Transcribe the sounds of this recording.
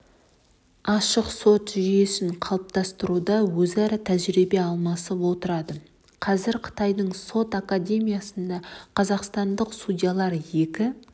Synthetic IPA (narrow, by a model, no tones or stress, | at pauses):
ɑʃəqso̞t̪ʒije̞sɪɴqʰɑlˠəp̚t̪ɑst̪əɾud̪ɑwɵzɑɾɑt̪ʰæʒɾibe̞ɑlˠmɑsəpwo̞t̪əɾɑd̪ə | qʰɑzɪɾqʰə̥t̪ɑjd̪əɴso̞t̪akad̪ʲe̞mʲijasənd̪ɑqʰɑzɑqst̪ɑnd̪əqst̪udʲijalˠɑɾje̞kʲɪ